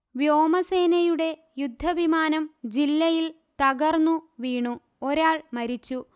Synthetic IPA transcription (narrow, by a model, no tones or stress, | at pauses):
ʋjo̞ːmɐse̞ːnɐjuɽe̞ | jud̪ʱːɐʋimaːnɐmd͡ʑilːɐjil | t̪ɐɣɐrnːuʋiːɳu | o̞ɾaːɭmɐɾit͡ɕːu